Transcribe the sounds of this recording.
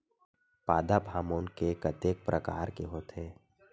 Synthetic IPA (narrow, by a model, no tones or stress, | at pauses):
paːd̪abʱaːmoːnkekɐt̪eːk̚pɾʔəka̰ːɾkeɦoːt̪ʰeː